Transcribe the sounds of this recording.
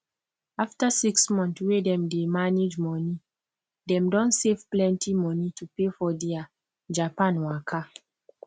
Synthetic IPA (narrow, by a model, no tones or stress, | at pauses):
aftasiksmɔ̃nθwedɛ̃mdemaned͡ʒmɔni | dɛ̃mdɔ̃nsevplɛ̃ntʰimɔnitʰupefɔdia | d͡ʒapãnwakʰa